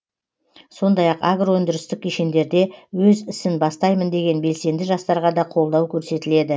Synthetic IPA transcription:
so̞nd̪ɑjɑqaɡrowɵnd̪ɪɾɪst̪ɪkʲʰːeʃe̞nd̪e̞ɾd̪e̞wɵzɪsɪnbɑst̪ɑjmənd̪e̞ɡʲe̞nbe̞lse̞nd̪ɪʒɑst̪ɑɾʁɑd̪ɑqʰo̞lˠd̪ɑwkʲʰɵɾse̞t̪ɪle̞d̪ɪ

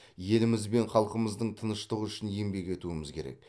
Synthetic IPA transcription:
je̞lɪmɪzbe̞ɴχɑlˠqəməzd̪əɴt̪ʰənəʃt̪əʁəʏʃɪnje̞mbe̞kʲe̞t̪uɪmɪzkʲʰe̞ɾek̚

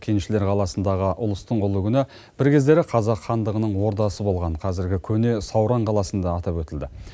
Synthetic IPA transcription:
kʲʰenʃɪle̞ɾqʰɑlˠɑsənd̪ɑʁəʔʊlˠəst̪əɴʊlˠəɡʲʏnɪ | b̥ɪɾkʲʰe̞zd̪e̞ɾɪqʰɑzɑqχɑnd̪əʁənəɴwo̞ɾd̪ɑsəbo̞lˠʁɑɴqʰɑzɪɾɡʲɪkʲʰɵne̞sɑwɾɑɴqʰɑlˠɑsənd̪ɑːt̪ɑpwɵt̪ɪld̪ɪ

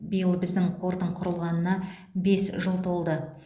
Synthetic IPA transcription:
bijəlˠbɪzd̪ɪŋqʰo̞ɾd̪əɴqʰʊɾəlˠʁɑnənɑ | be̞sʒəlˠt̪ʰo̞lˠd̪ə

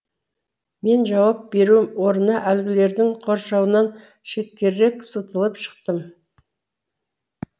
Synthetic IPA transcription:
me̞nʒɑwɑp̚be̞ɾuwo̞ɾənɑʔælɡʲɪle̞ɾd̪ɪŋqʰoɾʃɑwənɑn | ʃe̞t̪kʲe̞ɾɾe̞ksət̪əlˠəpʃə̥q̚t̪əm

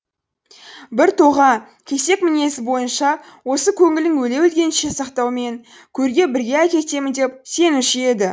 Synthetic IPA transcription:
bɪɾt̪ʰoʁɑ | kʲʰe̞se̞kmɪne̞sɪbo̞jənʃɑ | wo̞səkʲʰɵŋɪlɪŋwɵle̞wɪlɡʲe̞nʃesɑqt̪ɑwme̞ŋ | kʲʰɵɾɡʲe̞bɪɾɡʲe̞ækʲe̞t̪e̞mɪnd̪e̞p̚se̞nʏʃije̞d̪ɪ

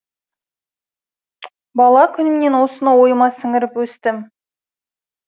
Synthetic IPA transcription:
bɑlˠɑkʲʰʏnɪmne̞nwo̞sənəwo̞jmɑsɪŋɪɾɪpwɵst̪ɪm

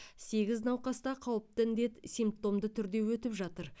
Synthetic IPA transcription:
se̞ɡʲɪznɑwqɑst̪ɑqʰɑwəp̚t̪əɪɪnd̪e̞t̪sʲijmp̚t̪o̞md̪ət̪ʰʏɾd̪e̞wɵt̪ɪpʒɑt̪əɾ

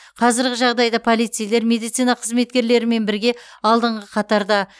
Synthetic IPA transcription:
qʰɑzɪɾɡʲɪʒɑʁd̪ɑjd̪ɑpʰo̞lˠijt̪sɨjle̞ɾme̞d̪ijt̪sijnɑqʰəzme̞t̪̚kʲe̞ɾle̞ɾɪme̞nbɪɾɡʲe̞ɑlˠd̪əɴʁəqʰɑt̪ɑɾd̪ɑ

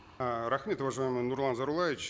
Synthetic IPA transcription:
ɾaxmʲet̪uvaʐajɪmɨjnuɾlˠanzaɾulˠavɪt͡ʃ

